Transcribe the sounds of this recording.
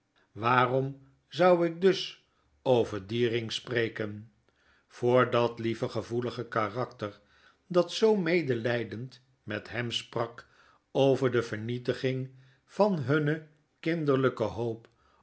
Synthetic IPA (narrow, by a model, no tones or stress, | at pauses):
ʋaːrɔm | zɑwɪk̚dɵs | owvəɹdiːrɪŋsprejkən | v̥ʊːɹdɑtlivəχəvuləχəkarɑktəɹ | dɑtsowmejdəlɛjdənt | mɛtɦɛmsprɑk | owvəɹdəvəɹnitəχɪŋ | v̥ɑnɦɵnə | kɪndəɹləkəɦowp